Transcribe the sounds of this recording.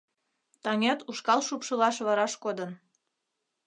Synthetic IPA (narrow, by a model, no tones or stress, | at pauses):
t̪ɑŋɑt̪uʃkɑlʃupʃɤlɑʃβɑɾɑʃkod̪ə̆n